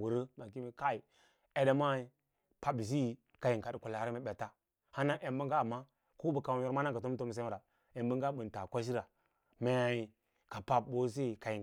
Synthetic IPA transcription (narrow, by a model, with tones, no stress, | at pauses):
wu˨ɾə˦ma˨ki˦mi˦ka˦i˨ | e˦da˦ma˦i˦ | pa˨˦bi˨s̬i˦˨ | ka˨ji˨ŋka˨dku˨la˨a˨ɾme˨ba˨ta˦ | ha˦na˦ʔe˨mbə˦ŋɡa˦˨mːa˦ | ko˦bə˨ka˨wo˨ɾma˦na˦ka˨to˦m˦to˦m˨s̬e˦˨ɾa˨ | e˨mbə˦ŋ˦ɡa˦bu˨n˨ta˨kʷa˦ʃ̬i˦ɾa˨ | me˨i˨ | ka˨pa˨b̚bo˦s̬e˦˨ka˨ji˨